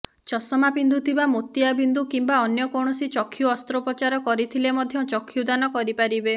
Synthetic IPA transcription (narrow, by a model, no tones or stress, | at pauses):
t͡ʃɔsɔmapind̪ʱut̪ʰibamot̪iabind̪ukimbaɔnjɔkoɽ̃ɔsit͡ʃɔkʰːjuɔst̪ɾɔpɔt͡ʃaɾɔkɔɾit̪ʰilemɔd̪ʱjɔt͡ʃɔkʰːjud̪anɔkɔɾipaɾibe